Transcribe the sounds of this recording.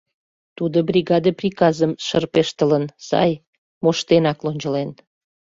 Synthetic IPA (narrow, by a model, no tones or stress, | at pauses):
t̪ud̪obrʲiɣɑd̪əprʲikɑzəmʃərpeʃt̪ələnsɑ̰j | moʃt̪enɑklonʲt͡ɕə̆len